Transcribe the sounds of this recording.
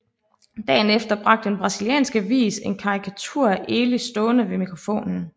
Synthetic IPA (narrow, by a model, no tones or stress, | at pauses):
d̥ɛ̰ːnefd̥ɐb̥ʁɑ̈ɡ̥̚d̥əenb̥ʁɑ̈siliɛ̰ːnsɡ̥əʋḭːse̝nkʰɑ̈ʁikʰæt͡sʰuɐ̰ʔe̝ːlisd̥ɔ̽ːnəʋe̝mikʰʁo̝fo̝̰ːnn̩